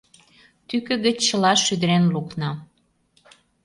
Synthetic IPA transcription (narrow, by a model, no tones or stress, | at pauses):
t̪ykə̆ɣə̆t͡ɕt͡ɕəlɑʃːyd̪ə̆ɾenluknɑ